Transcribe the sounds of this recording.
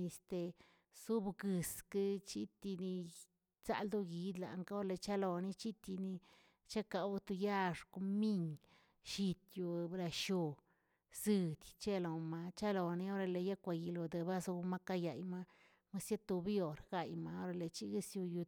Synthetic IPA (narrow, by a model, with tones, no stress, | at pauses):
ni˧st̪e˨ | su˦bɡɨ˨skɨ˦t͡ʃi˦t̪i˧ni˧ | t͡sa̰˧ld̪o˦ɡi˧d̪la̰˨ŋka˦o˦ɾle˧t͡ʃa˦lo˨ni˦˧t͡ʃi˦t̪i˧ni˧ | t͡ʃa˦ka˨wt̪u˧ja˦ʂko˧mi˦ŋ | ʃi˧t̪ju˧bɾa˧ʃo˧ | z̥ɨ˧d̪ʲt͡ʃe˦lo˨ma˧t͡ʃa˦lo˨ni˧o˦ɾe˧le˧ja˦kʷa˧ji˧lo˨d̪e˧ba˦su˧˦ma˦ka˦ja˨jma˦ | ma˦sja˦t̪u˧bjo˨ɾɡ̥a˧jma˨o˦ɾe˧le˨t͡ʃi˦ɡi˦sju˧ju˧